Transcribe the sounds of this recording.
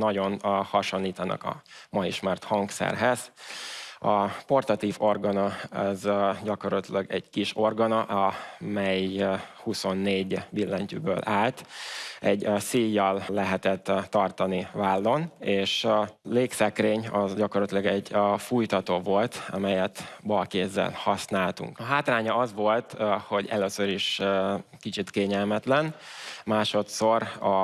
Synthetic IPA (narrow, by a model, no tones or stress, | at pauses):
nɒɟo̞nhɒʃo̞nːiːt̪ɒnɒ̰kɒ̰mɒjiʃmart̪hɒŋksɛ̰rɦɛz̥ | ɒpo̞rt̪ɒt̪iːvo̞rɡɒnɒɔzɟɒkoɾɒt̪lɒɡɛɟkiʃo̞rɡɒnɒʔɒmɛjhuso̞nːeːɟbilːɛɲcy̰bø̰ːlʔaːlt̪ɛɟsijːɒlːɛɦɛt̪ɛt̪ːɒrt̪ɒnivaːlːo̞neːʃleːksɛkreːɲɒzɟɒkorlɒt̪ilɒɡɛɟfujt̪ɒt̪oːvo̞lt̪ɒ̰mɛjɛt̪bɒlkeːzːɛ̰lhɒsnaːlt̪ṵŋkɒɦaːt̪raːɲɒɒzʋo̞lt̪ho̞ɟɛ̰løːsøɾiʃ | kit͡ʃit̪keːɲɛlmɛt̪lɛnmaːʃo̞t̪so̞ɾɒ